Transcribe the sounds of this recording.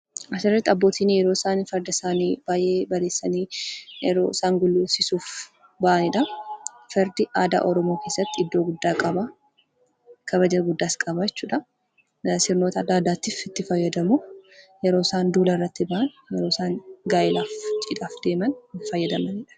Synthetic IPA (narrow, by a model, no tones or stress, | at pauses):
ʔɐsɪrːɛt̪ːɐbːo̞ːt̪iːnijɛɾoːɪsaːnfɛɾd̪ɐsaːniːb̥aːjʔe̞ːbɐɾe̞ːsːɐniːjɛɾo̰ːɪsaːŋɡʊlːʊsɪsuːf | bɐʔɐnɪᶑɐfɛɾd̪ɪʔaːd̪a̰ːʔɔɾɔmo̞ːke̞ːsːɐt̪ːɪɪd̪ːo̞ːɡʊd̪ːaːkʼɐba | kʰɐβɐd͡ʒɐɡʊd̪ːaːskʼɐbaɛt͡ʃːuːᶑɐ | sɪɾnoːt̪ɐd̪aːd̪aːt̪ːɪfɪt̪ːɪfɐjːɐd̪ɐmujɛɾo̞ːɪsaːnd̪uːlɐɪrːɐt̪ːɪbɐʔɐn | jɛɾo̞ːsaːnɡaːʔɪlaːft͡ʃʼɪd̪aːfd̪e̞ːmɐnfɐjːɐd̪ɐmɐnɪᶑɐ̥